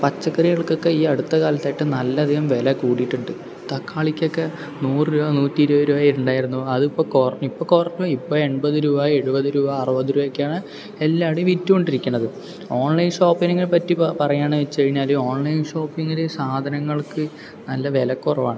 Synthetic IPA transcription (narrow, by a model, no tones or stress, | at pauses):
pɐt͡ɕːɐkːɐriɣɐɭkːo̞kːe̞iːɐɽut̪ːɐkaːlɐt̪ːaːjiʈːɨnɐlːɐɐd̪ʱiɣɐmʋe̞lɐkuːɽiʈːuɳɖɨ | t̪ɐkːaːɭikʲːo̞kːe | nuːrɨɾuːbanuːtːiiɾuaːɾuaːjiɾuɳɖaːjiɾunːuɐðipːo̞ːkorɐɲːuipːo̞ːkorɐɲːoipːo̞ːɭe̞ɳbɐðɨɾuːbaːe̞ɻubɐðɨɾuːbaɐrɨbɐðuɾuːʋɐkʲːaːɳɨ | elːaːʋɽeʋitːuoɳɖiɾikʲːuɳːɐðɨ | o̞ːɳlɐjnʂo̞ːpːineŋɡilpɐtːippɐrɐjːaːɳʋɐt͡ɕːeɻiɲːaːloo̞ːɳlɐjnʂo̞ːpːiŋːilesaːd̪ʱɐnɐŋːɐɭkɨ | nɐlːɐʋe̞lɐkːurɐʋa̰ːɳɨ